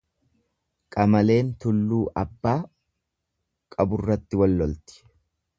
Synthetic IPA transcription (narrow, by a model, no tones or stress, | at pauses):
kʼɐmɐle̞ːnt̪ʊlːuːʔɐbːaː | kʼɐbʊrːɐt̪ːɪwɔlːɔlt̪ɪ̥